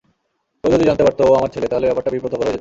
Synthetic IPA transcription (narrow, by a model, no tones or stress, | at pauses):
ood̪id͡ʑant̪epaɾt̪oamaɾt͡ɕʰelet̪aɦolebɛpaʈabipɾot̪ʰːokoled͡ʑe